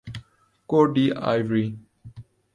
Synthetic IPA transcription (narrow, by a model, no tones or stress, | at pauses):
koɖia̰jvɾi